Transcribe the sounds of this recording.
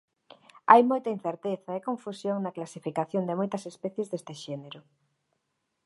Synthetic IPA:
ajmojt̪ɐin̟θeɾt̪eθɐekõɱfusjoŋnɐklasifikaθjond̪emojt̪ɐsespɛθjezðest̪eʃɛneɾʊ

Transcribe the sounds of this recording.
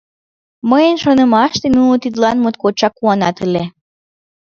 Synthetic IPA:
məjənʃonə̆mɑʃt̪enunot̪id̪lɑnmot̪̚kot͡ɕɑkːuɑnɑt̪əle

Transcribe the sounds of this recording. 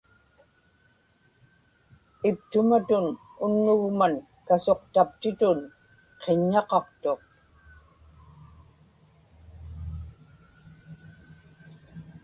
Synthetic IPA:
ɪpt̪ʊmat̪ʊn | ʊnːʊɣman | kaso̞qt̪ap̚t̪ɪt̪ʊn | qʰeɲːɑqɑqt̪o̞q

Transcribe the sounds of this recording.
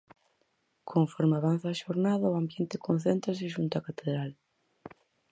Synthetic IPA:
kʰoɱfɔɾmeaβanθaːʃoɾnaðɐʊambjent̪ɪkʰõnθent̪ɾas̬ɪʃ̬unt̪akat̪eðɾal

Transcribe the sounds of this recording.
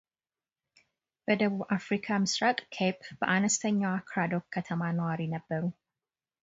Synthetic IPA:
b̥əd̪əβubʔafɾikʰamɨsɾakʼkʰepb̥əʔanɐst̪ʰɐɲːawkʰɾad̪okkʰːɐt̪ʰɐmanɐwaːɾiːnɐbːɐɾu

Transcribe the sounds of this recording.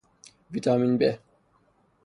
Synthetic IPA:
vit̪aːminbɛ

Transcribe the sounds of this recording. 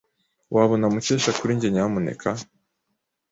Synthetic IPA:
wʔaβonamut͡ʃeʃakuɾiɲɟeɲamune̞̰kʰa

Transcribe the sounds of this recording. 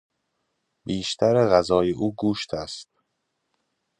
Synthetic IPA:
biːʃt̪ʰæɾeɣæzɒːjeʔuːɡuːʃt̪ʰæst̪̚

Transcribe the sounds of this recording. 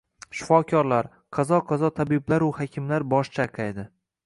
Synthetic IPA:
ʃɪ̥fɒkʲʰɒɾlaɾ | qʰɑzɒqʰɑzɒt̪ʰabɪblaɾʊhɒkʲʰɪmlaɾbɒʃt͡ʃʰaqʰajd̪ɪ

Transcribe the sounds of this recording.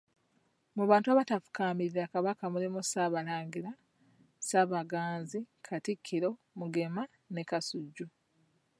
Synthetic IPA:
muβaːntuaβatafu̥kaːmiɾiakaβakamulimusaːβalaːɲɡiɾa | saβaɡaːnzikʰatikʰːiɾo̞ | muɡe̞ma | ne̞kasuɟːu

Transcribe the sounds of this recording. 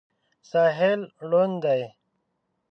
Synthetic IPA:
saːɦelɽond̪aj

